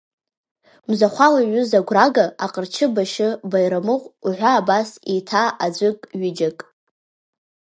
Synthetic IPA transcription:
mzaχʷalaɥʊzaɡʷraɡaaqʼərt͡ʃʰɨbaʃɪbajɾamɨqʷʼuħʷaːbasitʰaad͡ʒʷɨkʼɥɪd͡ʒakʼ

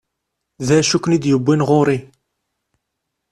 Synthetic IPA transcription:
ðæjʃuknid̪jəbːinʁʊɾˤi

